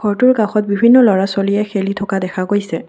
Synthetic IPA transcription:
kʰɔɹtʊɹɡaxɔt̚bibʱinːɔlɔɹasolijɛxelitʰɔkadɛxʰaɡojsɛ

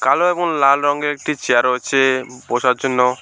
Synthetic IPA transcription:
kaloɛbɔnlalɾɔŋɡeɾek̚ʈit͡ʃeaɾɔɦot͡ʃʰebosaɾd͡ʒonːɔ

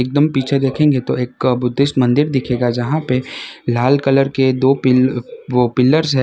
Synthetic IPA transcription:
eːk̚d̪əmpiːt͡ʃʰed̪eːkʰẽːŋɡet̪oeːkbʊd̪ʱːɪst̪mɐ̃nd̪ɪɾd̪ɪkʰeːɡad͡ʒɐɦãpelaːlkələɾked̪oːpɪʋopɪlːəɾsɦɛ

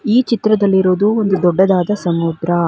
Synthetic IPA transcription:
iːt͡ʃit̪ɾɐd̪ɐlːiɾoːd̪uond̪ud̪ɔɖːɐd̪aːd̪ɐsɐmud̪ɾɐ

